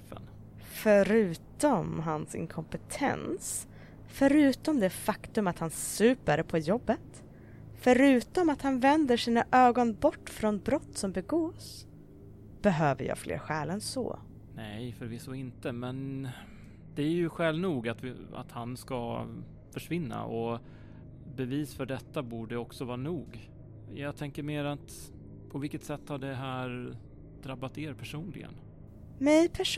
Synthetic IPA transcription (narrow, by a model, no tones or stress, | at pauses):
fə̰n | fœɾʉ̟ːt̪ɔmɦansɪ̰ŋkʰɔmpət̪ʰɛ̰ns | fœɾʉ̟ːt̪ɔmd̪ɛfakt̪ɵmat̪hansʉ̟ːpæɾəpʰɔjɔbːət̪ | fœɾʉ̟ːt̪ɔmat̪hanvɛnd̪əʂiːnaʔøːɡɔnbɔʈːfɾɔnbɾɔt̪ːsɔmbɛɡoːs | b̥ɛɦøːvə̰jɑ̰ːɡflḛːɾɧɛːlɛnsɔ̰ː | nɛjfœɾvɪsːɔɪnt̪əmɛn | d̪ɛæɾjɵɧɛlvnuːɡat̪va̰t̪hanska | fœʂvɪnːa̰ʔɔ | bɛviːsfœɖɛt̪ːabuːɖəɔksɔvɑːɾanuːɡ | jɑːɡt̪ʰɛŋkəɾmeːɾat̪ | pʰɔvɪlkːət̪sɛt̪ːhaɖɛɦæːɾ | d̪ɾabːat̪eːɾpʰæʂuːnlɪ̰ɡə̰n | mɛjpʰæʂ